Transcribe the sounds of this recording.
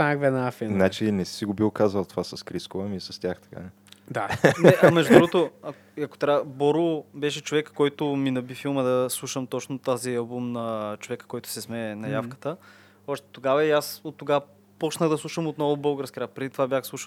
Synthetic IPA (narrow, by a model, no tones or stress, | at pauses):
saɡvɛnafinat͡ʃinɛsiɡobilˠkazəlˠt̪ovasɐskɾiskovəmisɐst̪ʲjaxt̪ɐ̥ka̰nɛ | d̪anɛʔɐmɛʒd̪ʊd̪ɾuɡot̪oɐ | ɐko̥t̪ɾʲabɔɾobɛʃɛt͡ʃovɛkːɔjt̪ʊminɐbifilˠməd̪ɐslˠuʃəmt̪ɔt͡ʃnot̪aziɐlˠbumnɐt͡ʃovɛkə̥kɔjt̪ʊ̥sɛzmɛnɐjafkə̥t̪ə | ɔʃt̪ɛ̥t̪oɡavɐiasot̪ːoɡavə | pɔt͡ʃnəɣd̪ɐslˠuʃəmot̪nɔvʊbɤlˠɡəɾskʲiɾapɾɛd̪it̪vabʲjaxslˠuʃə